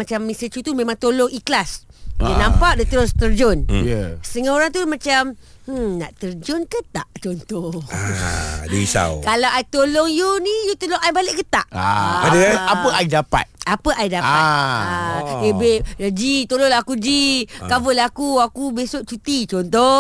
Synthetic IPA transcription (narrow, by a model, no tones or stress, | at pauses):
mat͡ʃamːisət͡ʃut̪umẽmãŋt̪olɔŋiklasdənãmpaʔ̚dət̪əɾʊst̪ərd͡ʒɔnəst̪əŋaoɾaŋt̪umat͡ʃam̩na̰ʔt̪ərd͡ʒɔnkət̪aʔt͡ʃɔnt̪ɔ | dəisa̰wkalawʔait̪olɔŋjunijut̪oloŋajbalɪʔkət̪aʔaaadəapəaidapa̰t̪̚apəʔaidapaadebed͡ʒit̪olɔŋlaakud͡ʒikavəlakuakubesoʔt͡ʃut̪it͡ʃɔnt̪ɔ